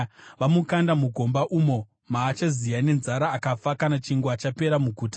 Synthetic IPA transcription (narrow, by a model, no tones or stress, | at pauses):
ʋamukandamuɡʱo̞mbaʔuːmo̞ | maːt͡ʃazijane̞nzaɾaːkafakanat͡ʃiŋɡwat͡ʃape̞ɾamuɡʱuːtḁ